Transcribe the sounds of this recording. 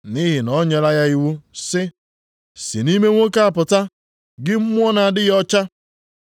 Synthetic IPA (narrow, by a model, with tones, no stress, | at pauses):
ni˦ɦɪ˨nɔ˦ɲe˨la˦ja˦i˦wu˦sɪ˦ | sḭ˨ni˦me˦ŋʷo˦ka˦a˨pʊ˨ta˦ | ɡɪ˦m̩˦mʷ˦ɔ˦na˨a˨dɪ˦ɣɔ˦t͡ʃa˦